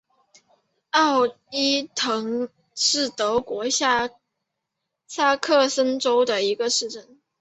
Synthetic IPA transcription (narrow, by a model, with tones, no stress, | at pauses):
ɑ˥˩ʊ | i˥t̪ʰɤ˧˥ŋ | ʂɻ̩˥˩t̪ɤ˧˥kwɔ˧˥ɕ | sa˥˧kʰɤ˥˩sə˥nʈ͡ʂo˥ʊd̪ə˨i˧˥ɡə˧ʂɻ̩˥˧ʈ͡ʂə˥˩n